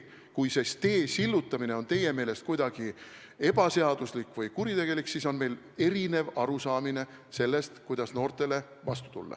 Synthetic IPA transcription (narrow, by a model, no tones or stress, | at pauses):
kujse̞st̪e̞ːsilːut̪ːˑɑmine̞o̞nt̪e̞je̞me̞ːle̞st̪kujd̪̥ɑɡ̥i | e̞b̥ɑse̞ɑd̪̥uslikːˑvɯjkuɾit̪eɡe̞liksiso̞nme̞jl | e̞ɾine̞vɑɾusɑːmine̞ | se̞lːe̞st̪kujd̪̥ɑsno̞ːrt̪ˑe̞le̞ | vɑst̪u̥t̪ṵlːɑ̰